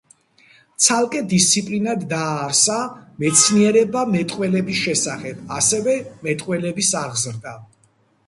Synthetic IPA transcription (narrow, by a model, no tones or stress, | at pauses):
t̪sʰalˠkʼɛd̪ist̪sʰipʼlinad̪ːaːɾsamɛt̪sʰniɛɾɛbamɛt̪ʼqʼwɛlɛbisʃɛsaχɛbasɛvɛmɛt̪ʼqʼwɛlɛbisaʁzɾd̪a